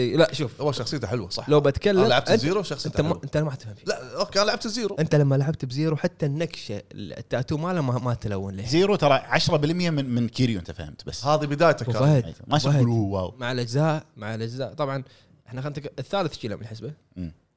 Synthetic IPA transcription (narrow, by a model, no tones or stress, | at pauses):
ʔiːlaʔʃuːfhʊwːaʃɑxsˤɨjːt̪aħɪlwasˤɑħlawbat̪kalːamlaʕab̚t̪ziːɾuʃɑxsɪnt̪amaʔɪnt̪alamaʕt̪fhɪmflaʔkaːnlaʕabt̪ziːɾuʔɪnt̪alamːalaʕabt̪bziːɾuħat̪ːanːakʃal̰at̪ːaʔt̪umalamːamat̪lawːɪnliːziːɾut̪ɑɾˤɑʕaʃɾˤɑbɪlmjammɪnkiːɾjuʔɪnt̪afahɪmt̪basːhaːðibɪd̪aːjt̪akaahd̰maʃahulwa̰ːwmaʕalʔad͡ʒzaːʔmaʕalʔad͡ʒzaːʔt̪ˤɑbʕɑn | ɪħnaxʔnt̪akʔɪθːaːlɪθʃiːlamɪnħɪsbaʔː